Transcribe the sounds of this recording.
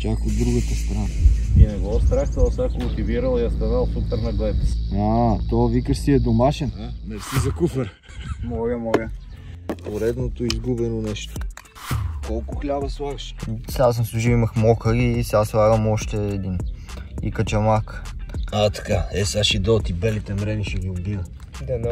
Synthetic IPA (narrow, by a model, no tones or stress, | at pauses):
t͡ʃakod̪ːɾuɡət̪əst̪ɾanainɛɡɔst̪ɾaxt̪ɐlˠsakʊlˠt̪iviɾəlˠjɐst̪ɐnalˠsupɛɾnɐɡ̪lɛt̪at̪ɔvikəʃsiɛd̪omaʃɛnnɛsizɐkufəɾ | mɔɡəmɔɡə | oɾɛd̪not̪oizɡubɛnonɛʃt̪o̥ | kɔlˠkʊxlʲabɐslˠaɡəʃsas̬əmsˠuʒiimɐxmɔkəɾiːsɛaslˠaɣəmɔʃt̪ɛːd̪inḭkət͡ʃɐmakat̪ɐ̥kaɛsaʃid̪ɔt̪ibɛlit̪ɛmɾɛniʃɛɡʲiobiə | d̪an